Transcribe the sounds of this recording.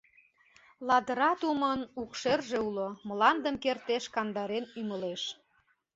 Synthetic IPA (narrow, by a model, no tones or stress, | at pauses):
lɑd̪əɾɑt̪umənukʃerʒeuloməlɑnd̪əmkert̪eʃkɑnd̪ɑɾenyməleʃ